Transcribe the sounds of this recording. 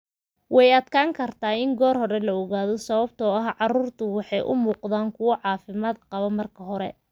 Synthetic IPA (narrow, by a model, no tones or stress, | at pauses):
wɑjɐd̪kʰaːŋkʰɐrt̪ʰaːɪŋɡɔːrhɔɾɛlɐɔɣaːðɔsɐβɐbt̪ʰɔɐɦʕɑruːrt̪ʰʊwɑħɑjʔʊ̰muːqðaːŋkʰʊwɔʕɑːfɪmaːd̪qɑβɔmɐrkʰɐɦɔɾɛ̰